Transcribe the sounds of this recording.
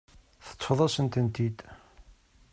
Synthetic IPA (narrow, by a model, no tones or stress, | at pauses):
θə̥t͡sˤːfðˤɑsənt̪ənt̪id̪